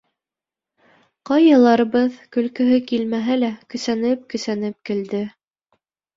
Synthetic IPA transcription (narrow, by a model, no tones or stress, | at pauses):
qɑjɑ̆lˠɑɾɤ̆βɤðkɵ̆lkɵ̆ɦɵkilmæɦælækɵ̆sænɘp̚kɵ̆sænɘp̚kɘ̆ld̪ɘ